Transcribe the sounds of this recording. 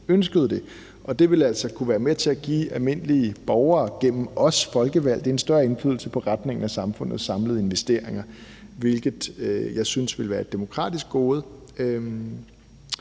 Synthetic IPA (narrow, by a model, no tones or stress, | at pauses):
ønsɡ̥əð̞̩ˠd̥e̝ | ʔɒ̽d̥e̝ʋe̝læl̰sɒkʰuʋæːɐmet͡sʰe̝æɡ̥ḭːælˠme̝n̰əliəb̥ɒʊɐːɡ̥em̰m̩ɒ̽sfɒ̽lɡ̥əʋæl̰d̥e̝ensd̥ɶɐe̝nflyð̰ˠl̩səpʰɒ̽ʁad̥ne̝ŋn̩æsɑ̈mfɔ̽n̰ð̩ˠsɑ̈mləð̞̩ˠe̝nʋesd̥e̝ɐ̰e̝ŋɐ | ʋe̝lɡ̥ð̩ˠjɑ̈ɪsynsʋe̝lʋæːɐed̥emo̝kʰʁɑ̰̈ːd̥isɡ̥o̝ːð̞̩ˠ